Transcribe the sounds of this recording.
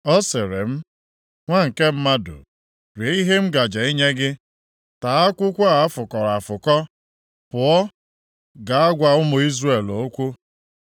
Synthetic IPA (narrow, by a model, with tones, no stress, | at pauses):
ɔ˦se˨ɾe˨m̩˦ | ŋʷa˦ŋ̩˨ke˦m̩˦ma˦dʊ̰˨ | ɾe˨i˦ɦe˦m̩˦ɡa˨d͡ʒa˨i˦ɲe˦ɡɪ˦ | ta˨a˦kʷʊ˦kʷa˦a˨a˦fʊ˨kɔ˨ɾa˨fʊ˨kɔ˦ | pʊ˨ɔ˦ | ɡa˨a˦ɡʷa˨ʊ˦mʊ˨i˦zre˦˨lo˨˦kʷu˦